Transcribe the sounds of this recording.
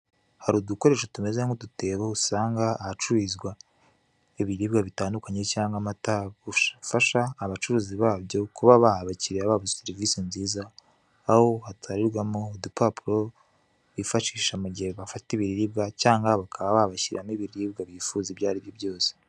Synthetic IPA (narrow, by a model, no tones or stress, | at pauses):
haɾuduko̞ɾe̞ːʃotume̞zeŋodute̞ːβausaːŋɡaːhat͡ʃuɾizɡwa | eβiɾiːbɡaβitaːndukaɲe̞caːŋɡamataβuʃafaʃaːβat͡ʃuɾuːziβaːβjo̞kuβaβahaβaciɾeaβaːβoseɾivisinziːzaː | ho̞hataɾiɾɡwamodipapuɾo̞ | βifaʃiːʃamuɟeβafatiβiɾiɾibɡacaːŋɡaβakʰaβaβahaβaçiɾamiβiɾiiːbɡaβifuːziβjaːɾiβjoβjo̞ːse̥